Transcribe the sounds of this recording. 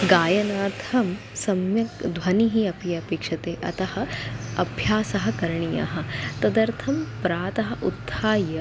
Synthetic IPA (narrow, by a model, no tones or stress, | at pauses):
ɡaːjɐnaːt̪ɐm | sɐmjɐkd̪ʋɐniɦiɐpijɐpeːkʂɐt̪eːʔɐ̰t̪ɐhɐ̆ɐbʱjaːsɐɦɐ̆kɐɾɳijɐ̰ɦɐ̆t̪ɐd̪ɐɾt̪ʰɐmpɾaːt̪ɐɦɐ̆ʔut̪ːaːjɐ